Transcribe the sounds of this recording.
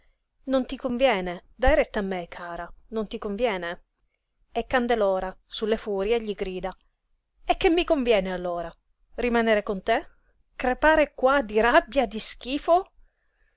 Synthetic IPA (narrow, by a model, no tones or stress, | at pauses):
nont̪ikoɱvjɛːned̪ajɾet̪ːamːekʰːaːɾanont̪ikoɱvjɛːne | ekːand̪eloːɾasulːefuːɾjeʎːiɡɾiːd̪a | ek̟ːemːikoɱvjɛːnealːoːɾa | rimanɛːɾekont̪e | kɾepaːɾekwad̪iɾabjad̪isk̟iːfo